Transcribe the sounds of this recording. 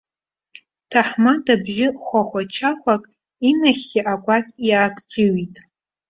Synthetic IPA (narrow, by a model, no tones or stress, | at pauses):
tʰaħmadabʒɪχʷaχʷat͡ʃʰaχʷakʼ | inaχʲːɪʔakʷʼakʲʼjakʷʼt͡ʃʷʼɪɥitʼ